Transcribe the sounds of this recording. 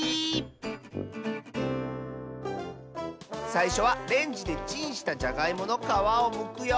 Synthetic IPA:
saiɕo̞βaɾẽ̞ɲ̟d͡ʑid̪e̞t͡ɕĩɰ̃ɕi̥t̪ad͡ʑaɡaimo̞no̞kaβaomɯ̟kɯ̟jo

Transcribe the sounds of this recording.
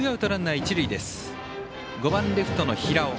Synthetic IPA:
jaɯ̟t̪oɾãnːait͡ɕiɾɯ̟id̪e̞sɨ̥ | ɡo̞bãnɾeɸɯ̟̥t̪o̞no̞çiɾao

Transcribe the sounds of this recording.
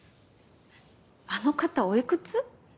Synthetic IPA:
ano̞kat̪ao̞ikɯ̟t͡sɨ

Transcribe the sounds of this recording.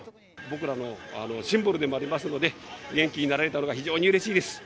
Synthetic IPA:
bo̞kɯ̟ɾano̞a̰no̞ɕĩmbɯɾɯ̟d̪e̞mo̞aɾʲimasɨno̞d̪e̞ɡẽ̞ŋkʲiɲ̟inaɾaɾe̞t̪ano̞ɡaçiʑo̞ːɲiɯ̟ɾe̞ɕiːd̪e̞sɨ̥

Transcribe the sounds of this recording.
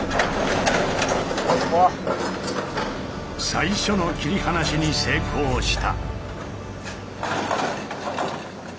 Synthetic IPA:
a | saiɕo̞no̞kʲiɾʲihanaɕiɲise̞ːkʰo̞ːɕi̥t̪a̰

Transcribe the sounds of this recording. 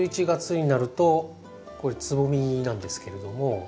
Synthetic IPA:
it͡ɕiɡat͡sɨɲ̟inaɾɯ̟t̪o̞ | koɾet͡sɨbomʲinãnd̪e̞sɨ̥ke̞ɾe̞d̪o̞mo̞

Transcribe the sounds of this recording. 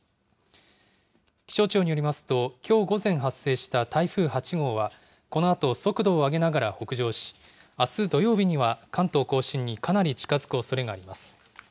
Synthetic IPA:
kʲi̥ɕo̞ːt͡ɕo̞ːɲ̟ijo̞ɾʲimasɨ̥t̪o̞kʲʰo̞ːɡo̞zẽ̞ɰ̃ɦasːe̞ːɕi̥t̪at̪aiɸɯ̟ːhat͡ɕiɡo̞ːβa | ko̞no̞at̪o̞so̞kɯ̟d̪o̞ːaɡe̞naɡaɾaho̞kɯ̟ʑo̞ːɕi̥ | asɨd̪o̞jo̞ːbʲiɲ̟iβakʰãnt̪o̞ːko̞ːɕĩɲ̟ːikʰanaɾʲit͡ɕi̥kazɨ̥kɯ̟o̞so̞ɾe̞ɡaːɾʲimasɨ̥

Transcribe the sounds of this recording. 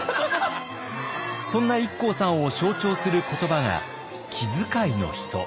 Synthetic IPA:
sõ̞nːaikːo̞ːsãɰ̃o̞ɕo̞ːt͡ɕo̞ːsɨɾɯ̟ko̞t̪o̞baɡa̰ | kʲʰizɨkaino̞̰çi̥t̪o̞̰

